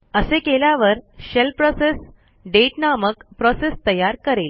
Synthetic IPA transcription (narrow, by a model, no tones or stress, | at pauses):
əsekeljaʋəɾɕelpɾɔses | ɖeʈnaməkpɾɔsest̪əjaɾkəɾel